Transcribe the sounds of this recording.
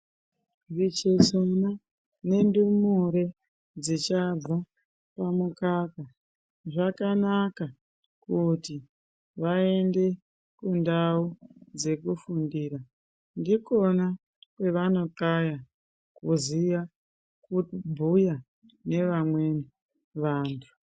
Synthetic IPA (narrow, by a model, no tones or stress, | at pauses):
rit͡ʃesona | ne̞ndumuɾe | d͡zit͡ʃab͡va | pamukaka | ʐakanaka | kuti | ʋae̞nde̞ | kundaud͡ze̞kufundiːɾa | ndiko̞na | kwe̞ʋano̞kaja | kuziʋa | kubʱuja | ne̞ʋamwe̞ni | ʋaːntʰu̥